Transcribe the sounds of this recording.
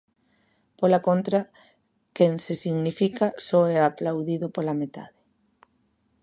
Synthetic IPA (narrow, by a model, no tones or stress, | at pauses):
polakont̪ɾa | kensesiɣnifikasɔɛaplawðiðʊpolamet̪a̰ðɪ